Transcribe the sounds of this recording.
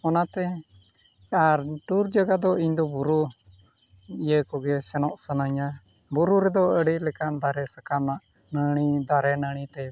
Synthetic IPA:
ɔnat̪ɛ | aɾʈuɾd͡ʒaɡad̪ɔiɲd̪ɔbuɾu | ijəkɔɡɛsɛnɔʔsənaɲa | buɾuɾɛd̪ɔəɽiʔlɛkand̪aɾɛsakamnaʔnəɳid̪aɾɛnaɽ̃it̪ɛ

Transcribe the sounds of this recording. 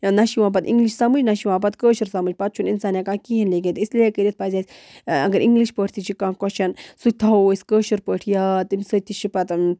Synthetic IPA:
nɐʃiʋãːp̬ɐt̪ḭŋɡliʃsɐmɨd͡ʒnɐʃiʋãːp̬ɐt̪kəːʃiɾsɐmɨd͡ʒʲpɐt̪̚t͡ʃʰuninsaːnjakaːkiɦɐnleɡẽt̪isliekəɾʲit̪̚pazʲasʲ | ɐɡɐɾiŋɡliʃpəʈʰt̪ʰit͡ʃʰikãːkɔʃʰɐnsut̪ʰɐsʲkəːʃiɾpəːʈʰijaːt̪imsət̪iʃipɐt̪

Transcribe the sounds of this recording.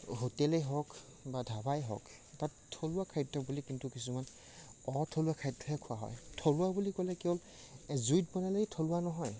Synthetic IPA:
ɦotɛlɛɦɔk | badʱabajɦɔ̰k | tattʰːolʊwakʰajtːɔbulikintukisuman | ɔtʰoluwakʰajtːɔɦɛkʰʊa̰ɦɔ̰jtʰoluabulikɔlɛkɛɔl | zujt̚bɔnalaɡitʰolʊanɔɦɔj

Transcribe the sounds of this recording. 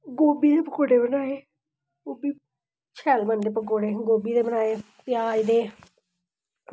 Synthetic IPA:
ɡoːbiːd̪eːpəkoːɖeːbənaːeː | ɡoːbiː | t͡ʃʰɛːlbənd̪eːpəkoːɽeːɡoːbiːd̪eːbənaːeː | pɪjaːd͡ʒd̪eː

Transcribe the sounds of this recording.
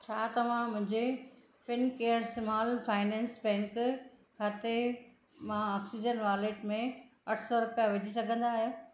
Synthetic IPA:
t͡ɕʰaːt̪ɐʋ̤ãmʊ̃ɦɪ̃ɲd͡ʑe | fɪnkeːəɾsɪmaːlfaːɪnɛ̃ːnsbɛ̃ːŋkkʰaːt̪e | mãɔːksid͡ʑənʋaːleʈmẽɐʈʰsɔɾʊpijaʋɐd͡ʑʱis̬ɐɡʱə̃nd̪aːɦe

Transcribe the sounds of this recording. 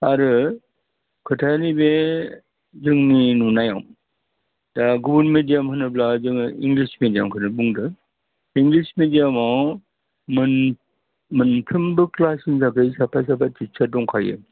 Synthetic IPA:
aɾɯ | kʰɯtʰajnibe | zɯŋninunaja̰wm | daɡubunmedijamhɯnɯplazɯŋiŋɡlismedijamkʰɯnɯbuŋdɯ | iŋɡlismedijamaw | mn | mɯntʰɯmbɯklasiŋzakɯjsapʰasapʰatisʰadɔŋkʰajɯ̰

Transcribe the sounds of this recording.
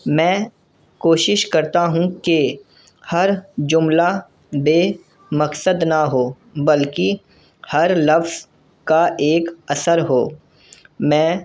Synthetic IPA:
mɛ̃ː | koːʃɪʃkɐɾt̪aɦũke | hɐɾd͡ʒʊmla | beː | mɐksəd̪nɐɦoː | bɐlki | hɐɾlɐfz̥ | kaʔeːkɐsəɾɦoː | mɛ̃ː

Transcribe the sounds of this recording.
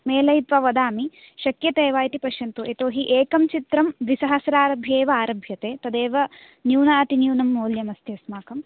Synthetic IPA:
meːlɐjt̪ʋɐʋɐd̪aːmi | ʃɐkjɐt̪eːʋaːjt̪ipɐʃjɐnt̪ueːt̪oːɦiʔeːkɐmt͡ʃit̪ɾɐmʋisɐɦɐsɾaːɾɐbʱjeːʋɐaːɾɐbʱjɐt̪eːt̪ɐd̪eːʋɐ | njuːnaːt̪injuːnɐmːoːljɐmɐst̪ʰeːsmaːkɐm

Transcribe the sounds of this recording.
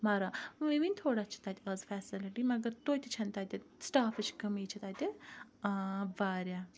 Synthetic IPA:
maːɾaːʋiʋinʲt̪ʰoːɽaːt͡ʃʰɐ̥t̪aːt̪ʰʲɐzfʰɛːsɪlɪʈimɐɡəɾt̪oːt̪et͡ʃʰɐ̃nt̪aːt̪esʈaːfɨt͡ʃʰkɐmiːt͡ʃʰɐt̪aːt̪e | baːɾjaː

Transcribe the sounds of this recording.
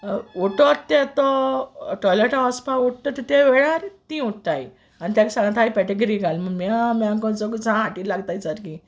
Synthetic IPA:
oʈɔtt̪ɛt̪ɔʈɔjleʈãɔspauʈ̚t̪ɔt̪it̪ɛʋeɭaɾt̪ĩuʈ̚t̪aj | anit̪jãksãŋɡat̪ajpɛʈeɡəɾiːɡʱalməmiamãŋkɔ̃nt͡sɔkut͡sãɦaʈiːlaɡt̪ajt͡saɾki

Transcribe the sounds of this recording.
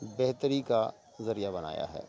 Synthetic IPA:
bɛɦt̪əɾika | zɐɾijabɐna̰ːja̰ɦɛ̰ː

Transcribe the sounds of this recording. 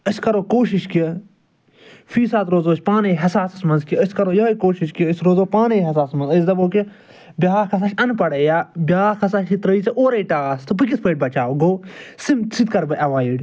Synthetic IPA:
əsʲkɐɾoːkoːʃiʃki | fiːsaːt̪ɾoːzoːsʲpaːneɦɐsaːsɐ̥smɐnzkiəsʲkɐɾoːjɐːikoːʃiʃkijəsʲɾoːzoːpaːneɦɐsaːsmɐnzəs̬d̪ɐboːki | bʲaːkʰɐs̬aːʃɐnpɐɽejaːbʲaːkʰɐsaʃit̪ɾɐit͡sɐʔoːɾɐiʈaːaːst̪ɨp̬ɨk̬ʲispəːʈ̚bɐt͡ʃaːɡoːsimsʰit̪̚kɐɾbɐʔɐʋaːjiɖʲ

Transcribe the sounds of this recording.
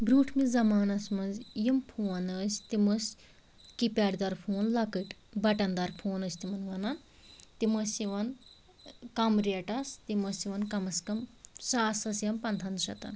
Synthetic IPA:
bɾuːʈʰmizɐmaːnɐsmɐnzjimpʰuɐnəːsʲt̪iməs | kipʲaːɖd̪ɐɾpʰuːnlɐkɨʈbɐʈɐnd̪ɐɾpʰoːnəːsʲt̪imɐnʋɐnɐn | t̪imɐsʲiʋɐn | kɐmɾeʈɐst̪imɐsiʋɐnkɐmɐskɐmsaːsɐsjɐmpɐnt̪ʰɐnd̪ʃɐt̪ɐ̰n

